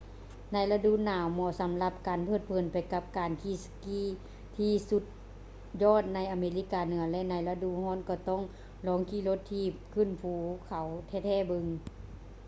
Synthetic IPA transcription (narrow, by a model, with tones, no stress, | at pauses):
na˧˩jla˧du˧˨naː˨˦wmɔː˧˩˨sa˨˦mla˧p̚kaː˨npʰɤː˧˩t̪̚pʰɤː˨˩npa˨˩jka˧˥p̚kaː˨nkʰiː˧˩˨skiː˧˥˨ | t̪ʰiː˧˩su˧˦t̪̚ | jɔː˧˥˨t̪̚na˧˥jʔa˨meː˨˧li˧˥˩kaː˨˩nɯ˨˩˦ɐlɛ˧˨na˧jla˧du˧˨hɔː˧˥˨nkɔː˧˩t̪ɔ˧˥˨ŋ | lɔː˨˦ŋkʰiː˧˥˨lo˧˦t̪ʰːiː˧˩p̚kʰɯː˧˥˨npʰuː˨˦kʰa˨˦wt̪ʰɛː˧˩t̪ʰɛː˧˩˨bɯ˧˨ŋ